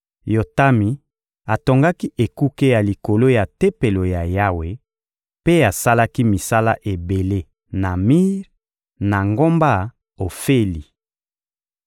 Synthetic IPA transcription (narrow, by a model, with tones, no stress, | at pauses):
jo˨ta˦mi˨ | a˨to˨ŋɡa˦ki˦ʔe˨ku˦ke˦ja˨li˨ko˨lo˦ja˨te˦pe˨lo˨ja˨ja˦we˨ | pe˦a˨sa˦la˦ki˦mi˨sa˦la˦ʔe˨be˨le˦ | na˨mi˦ʁ | na˨ŋɡo˦mba˦ | o˨fe˦li˨